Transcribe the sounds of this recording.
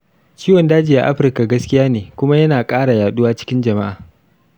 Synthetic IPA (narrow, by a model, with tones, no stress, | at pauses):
t͡ʃiː˦wɐ˨ndaː˦d͡ʒi˨ja̰˦ʔa˦ɸɪ˨rka˨ɡɐ˦skʲɪ˦jaː˦neː˨kʷʊ˦ma˦jɐ˦naː˨kʼaː˦ɽa˨jaː˨ɗʊ˦waː˦t͡ʃɪ̥˦kʲɪ˦nd͡ʒɐ˨ma˦ʔaː˨